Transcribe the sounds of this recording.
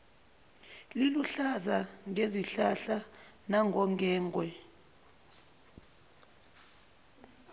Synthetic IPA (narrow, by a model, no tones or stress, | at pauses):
liluɬazaŋʱeziɬaɬa | naŋɡʱɔŋɡʱɛːŋɡʱwɛ